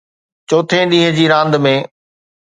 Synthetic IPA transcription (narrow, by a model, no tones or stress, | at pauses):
t͡ɕoːt̪ʰẽɗ̪ĩːɦə̃d͡ʑiːɾãːnd̪mẽː